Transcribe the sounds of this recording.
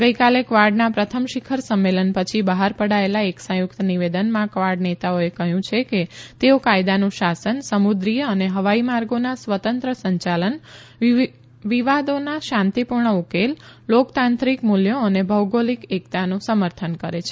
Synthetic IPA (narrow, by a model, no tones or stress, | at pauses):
ɡəikalekʋaɾɖnapɾət̪ʰəmʃikʰəɾsəmːelənpət͡ʃʰibəɦaɾpəɽaelaeksə̃jʊkt̪niʋed̪ənmãkʋaɾɖnet̪aoekəɦjũt͡ʃʰeket̪eokajd̪anũʃasənsəmud̪ɾijəəneɦəʋaimaɾɡonasʋət̪ənt̪ɾəsəɲt͡ʃalən | ʋiʋad̪onaʃãnt̪ipuɾɳəukellokt̪ãnt̪ɾikmuljoənebʱəwɡolikekt̪anũsəməɾt̪ʰənkəɾet͡ʃʰe